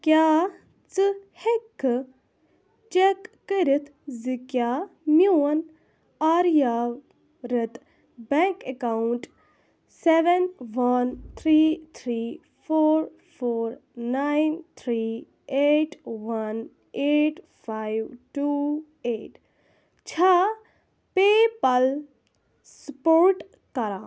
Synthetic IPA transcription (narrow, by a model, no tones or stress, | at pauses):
kʲjaː | t͡sɨhekːɨ | t͡ʃekːəɾit̪ʰzɨkʲjaːmjuwɐn | aːɾja | ɾət̪ | bɛŋkekawɳʈ | seʋenʋɐnt̪ʰɾit̪ʰɾiː | fʰoːɾ | pʰoːɾnajnt̪ʰɾi | eʈʋɐn | eʈ | pʰajʋʈu | eːʈ | t͡ʃʰa | pepɐl | spoːɾʈ | kɐɾaː